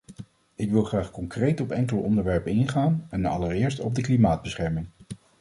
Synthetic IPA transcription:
ɪkʋɪlˠχraːχkɔŋkrejtɔpɛŋkələʔɔndəɹʋɛɹpənɪnχaːnɛnɑ̰ləɹɪːɹstɔb̚dəklimaːd̚bəsχɛɹmɪŋ

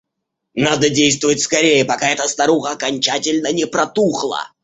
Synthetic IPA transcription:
nad̪ədʲejst̪vʊvətʲskɐɾʲejəpɐkaɛt̪əst̪ɐɾuxəːkɐnʲt͡ɕatʲɪlʲnənʲɪpɾɐt̪uxlˠə̰

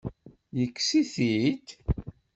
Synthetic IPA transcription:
jəkːsiθit̪

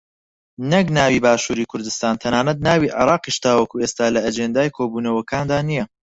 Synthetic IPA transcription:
nɐknaːwiːbaːʃuːɾiːkʰʊɾd̪ɨst̪aːnt̪ʰɐnaːnɐt̪̚naːwiːʕɪ̰ɾɑːqiʃd̪aːwɐkuːeːst̪aːlɐːd͡ʒeːnd̪aːjkʰoːbuːnɐwɐkʰaːnd̪aːnijɐ

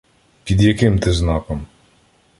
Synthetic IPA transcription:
pʲid̪jakɪmt̪ɪznakɔm

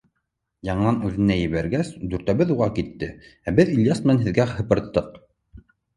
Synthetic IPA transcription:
jɑɴɤ̆nɑnʉðɘ̆næjɘ̆βæɾɡæsd̪ʉɾt̪æβɘðuʁɑkit̪ːɘæbɘðilʲjasmɘ̆nænɦɘ̆ðɡæhɤ̆pɤ̆ɾt̪ːɤq

